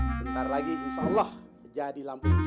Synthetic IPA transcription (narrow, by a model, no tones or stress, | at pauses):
bənt̪arlaɡiinʃaɔlːɑht̪ərd͡ʒadilampu